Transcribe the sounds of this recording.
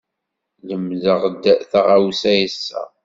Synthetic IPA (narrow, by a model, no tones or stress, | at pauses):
ləmðəʁd̪ːθaʁawsæjəsːæ̰